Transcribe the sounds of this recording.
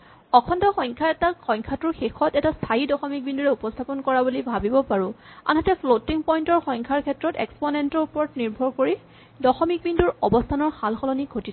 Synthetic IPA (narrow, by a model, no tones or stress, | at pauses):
ɔkʰɔntɔxɔjŋkʰaɛtaxɔ̃jŋkʰatʊɹxexʰɔtɛtastʰajidɔxɔmik̚binduɹɛupɔstʰapɔnkɔɹabulibʱabibɔpaɹʊ̃a̰nɦɛtɛpʰlotiŋpɔjntɔɹxɔjŋkʰaɹkʰɛtɹɔtɛ̰ksponentɔɹupɔɹtniɹbʱɔɹkoɹi | dɔxɔmik̚binduɹɔbɔstʰanɔɹxalxɔlɔniɡʱotit